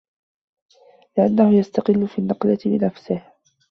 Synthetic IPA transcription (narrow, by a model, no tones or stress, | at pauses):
lɪʔanːahʊjast̪aqɪlːʊfiːnːɑqlaɪnafsɪh